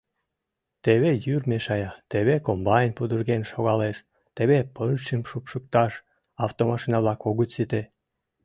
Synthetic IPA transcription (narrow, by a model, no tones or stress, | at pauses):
t̪eβejyrmeʃɑjɑt̪eβekombɑjnʲpud̪urɣenʃoɣɑleʃ | t̪eβepəlt͡ɕəmʃupʃək̚t̪ɑʃ | ɑft̪omɑʃinɑβlɑkoɣət͡ɕsit̪e